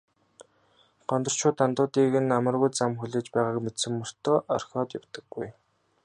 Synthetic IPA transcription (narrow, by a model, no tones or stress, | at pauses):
ɢ̥ɔnt̪ɞ̆r̥t͡ɕʰʊːt̪ːant̪ʊːt̪iːɣɘ̆namə̆rɣujt͡samxuɮeːt͡ɕpæːʁaːkmet̪sɘ̆mːɵr̥t̪ɔːʔɔ̰r̥xʲɔːt̪jawt̪ə̆ɡːuj